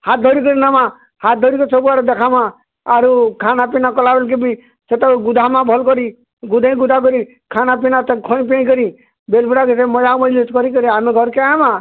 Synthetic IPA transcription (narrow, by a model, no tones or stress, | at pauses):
hat̪̚d̪ʱɔɾik̬ɔɾinama | hat̪̚d̪ʱɔɾikɔsɔbuaɾd̪ɛkʰamãː | ɾukʰanapinakɔlabelk̬ebi | set̪aɡud̪ʱamãbʱɔlkɔɾi | ɡud̪ʱãĩɡud̪ʱak̬ɔɾi | kʰanapinat̪kʰɔ̃ĩp̬ẽj̃kɔɾi | belpuɽakesemɔd͡ʒamɔlitkɔɾikɔɾiameɡʱɔɾkeamã